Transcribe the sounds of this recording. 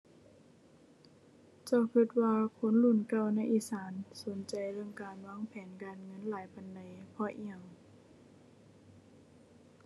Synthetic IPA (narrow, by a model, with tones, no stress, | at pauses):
t͡ɕa˧˩kʰɯ˧t̪̚waː˧kʰo˧˦˥nlu˧˩˨nka˧˩˨wna˧˥˨jʔiː˧˥˨saː˨˦nso˨˦nt͡ɕa˨˩jlɯ˧˩əŋkaː˨nwaː˧˥˨ŋpʰɛː˨˦nkaː˨nŋɤ˧˥˨nlaː˨˦jpa˨nda˨˩jpʰɔ˧ʔi˧˩əŋ